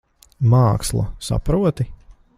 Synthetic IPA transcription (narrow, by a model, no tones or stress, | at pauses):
maːkslˠɐ̰sa̰pɾuɔt̪i